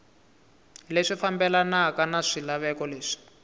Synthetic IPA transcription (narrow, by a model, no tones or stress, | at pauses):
leʂifambɛlanaakanaʂilaβɛkɔleːʂi̥